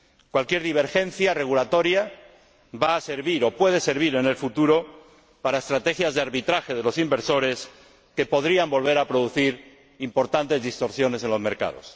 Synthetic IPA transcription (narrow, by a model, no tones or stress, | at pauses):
kwalkjeɾðiβ̞e̞ɾxe̞nθjare̞ɣulat̪o̞ɾja | βaːse̞ɾβiɾo̞pwe̞ð̞e̞se̞ɾβ̞iɾe̞ne̞lfut̪uɾo̞ | paɾaest̪ɾat̪e̞xjazðeaɾβit̪ɾaxe̞ðe̞lo̞simbe̞ɾso̞ɾe̞s | ke̞po̞ðɾiambo̞lβe̞ɾapɾoðuθiɾ | impo̞ɾt̪ant̪e̞zðist̪o̞ɾsjo̞ne̞se̞nlo̞zme̞ɾka̰ð̞o̞̰s